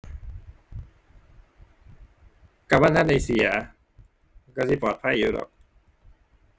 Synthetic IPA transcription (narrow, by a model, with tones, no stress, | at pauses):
ka˨˩waː˥˨nʰa˥˨nːa˧jsi˨˩˦ɐ˦ | kɔː˧˩si˧˩pɔː˨˩t̪̚pʰa˧˥˨u˧˦˩dɔ̰ː˨˩k̚